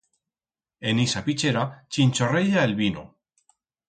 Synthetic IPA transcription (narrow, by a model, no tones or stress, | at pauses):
enisapit͡ʃeɾat͡ʃint͡ʃoreʎaelβino̰